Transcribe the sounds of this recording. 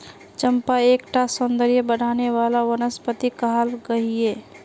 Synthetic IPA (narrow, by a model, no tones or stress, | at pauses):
t͡ʃəmpaeːkʈasɔnd̪əɾijəbəɽ̤aːneʋaːlawənəspət̪ikəɦalɡəɦieː